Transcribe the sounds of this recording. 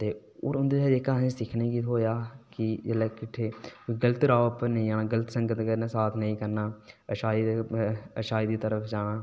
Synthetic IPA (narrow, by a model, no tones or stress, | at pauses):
t̪eː | o̰ːɾʊnd̪eɛːd͡ʒeːkanẽːsɪkʰnẽːkit̪ɦoːjaːkɪd͡ʒəlɛːkɪʈʰːeːɡələt̪ɾaːəpənəĩːaːɽaːɡələt̪səŋɡət̪kəɾnːsaːt̪ʰnəĩːkəɾnaːəʃaːi | əʃaːiːd̪iːt̪əɾəfʰd͡ʒaːɽ̃aː